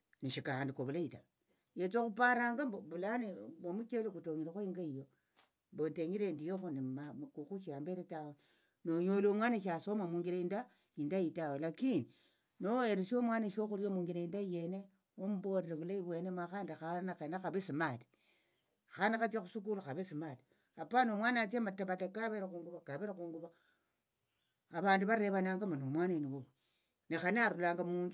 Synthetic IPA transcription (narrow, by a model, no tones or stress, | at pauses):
niʃikaandikoβulaita | jet͡sokupaɾaŋɡaobulaneomut͡ʃelekutoŋiɾexoiŋɡaijo | bonteɲiɾendijoxonimamkuxuʃambeɾetawe | noɲolomwaːneʃ̬asomamuŋɡiɾeinda | indajitawelakini | noeɾesiomwaneʃoxuɾiomuːŋɡiɾeindajene | omuboɾelekulaiβwenemwaxaːndaxaanaxenaxaβesimati̥ | xanaat͡ʃexusuk̬ulaxaβesimati | apanomwaːnat͡ʃemataβatakaβeɾakuːŋɡuβakaβeɾakuːŋɡuβa | aβaːnduβaɾeβanaːŋɡamanomwananiwow | nexaniaɾulaːŋɡamuːndu